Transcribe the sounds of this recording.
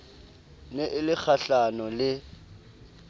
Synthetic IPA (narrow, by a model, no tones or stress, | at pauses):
nɛʔɪlɪk͡xʰaɬanɔlɪ